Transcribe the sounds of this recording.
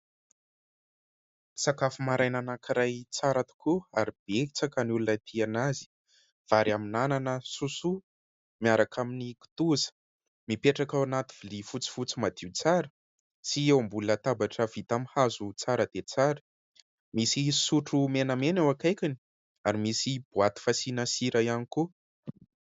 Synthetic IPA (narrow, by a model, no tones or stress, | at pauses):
sakafumaɾajnanakiɾajt͡saɾat̪u̥kuaɾib̥eit͡sakanulunat̪ʰianazi̥ | v̥aɾiaminananəsusu | miaɾakaminiki̥t̪uzə̥ | mipeʈ͡ʂakawanat̪i̥vilifut͡si̥fut͡simad̪iut͡saɾə | siewmbulət̪abaʈ͡ʂəv̥it̪amihazut͡saɾəd̪̥et͡saɾə̥ | misisuʈ͡ʂumenəmenewakajkʲini̥ | aɾimisib̥uat̪i̥fasinasiɾajaniku